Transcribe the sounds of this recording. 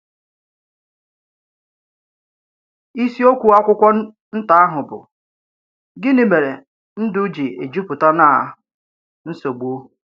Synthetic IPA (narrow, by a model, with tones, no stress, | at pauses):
i˦si˦o˦kʷu˨a˦kʷʊ˦kʷɔ˦ | n̩˦ta˦a˦ɦʊ˨bʊ̰˨ | ɡɪ˦nɪ˨me˨ɾe˨ | n̩˦dʊ˦d͡ʒi˨e˨d͡ʒu˦pʊ˨ta˦na˦˨˦ | n̩˦so˨ɡ͡bo˦